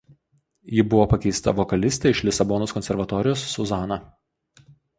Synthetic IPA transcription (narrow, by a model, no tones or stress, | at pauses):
jɪbʊʋoːpɐkʲɛɪst̪ɐ̰ʋɔkɐlʲɪsʲt̪ʲɛɪʃlʲɪsɐbɔnoːskɔnʲsʲɛɾʋɐt̪ɔɾʲɪjoːsːʊzɑːnɑ